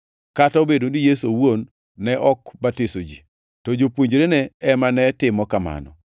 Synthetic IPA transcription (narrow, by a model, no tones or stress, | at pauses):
kataobedondijesowonː | ɛʔɔkbatɪsod͡ʒḭ | tɔd͡ʒopwuɲd͡ʒɾenɛɛmanɛtɪmɔkama̰nɔ̰